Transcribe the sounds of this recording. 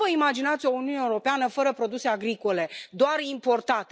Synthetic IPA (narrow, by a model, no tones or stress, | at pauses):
əimad͡ʒinat̪sʲio̞uniuneuɾo̞peanəfəɾəpɾo̞d̪use̞aɡɾiko̞le̞d̪oarimpo̞rt̪at̪e